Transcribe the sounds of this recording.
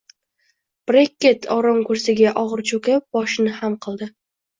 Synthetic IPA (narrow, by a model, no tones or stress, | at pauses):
b̥ɾekʲːet̪ʰɒɾɒmkʰɵɾsɪɡʲaʔɒʁɨɾt͡ʃʰɵkʲap̚bɒʃɪnɪhamqʰɨlˠd̪ɪ